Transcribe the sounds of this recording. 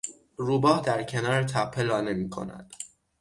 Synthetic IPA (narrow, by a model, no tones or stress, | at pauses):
ruːbɒːhd̪æɾcʰenɒːɾt̪ʰæpʰːe̞lɒːne̞miːkʰo̞̰næ̰d̪̥